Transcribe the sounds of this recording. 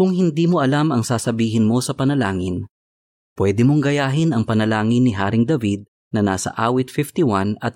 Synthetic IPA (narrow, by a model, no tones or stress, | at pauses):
kʊŋhɪnd̪iːmoʔɐlamɐŋsaːsɐbiːɦɪnmo̞sɐpɐnɐlaːŋɪn | pwɛːd̪ɪmoŋɡɐjaːɦɪnɐŋpɐnɐlaːŋɪnːɪɦaːɾɪŋd̪ɐvid̪̚ | nɐnaːsɐ̰ʔaːwɪt̪̚fɪft̪iwanɐt̪̚